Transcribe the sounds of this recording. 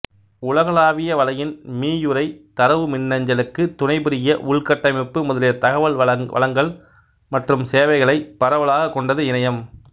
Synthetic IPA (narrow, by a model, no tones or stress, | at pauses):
ʊɭɐɣɐɭaːʋɪjɐʋɐlɐjɪnmiːjɯɾɐɪt̪ɐɾɐʋɯmɪnːɐɲd͡ʒɐlɯkːɯt̪ʊnɐɪpɪɾɪjɐʔʊɭkɐʈːɐmɪpːɯmɔðɐlɪjɐt̪ɐɣɐʋɐɭɐʋɐ̰lɐŋɡɐɭ | mɐʈrɯmseːʋɐɪɣɐɭɐɪpːɐɾɐʋɐɭaːɣɐkːɔɳɖɐðɯɪnɐjɐm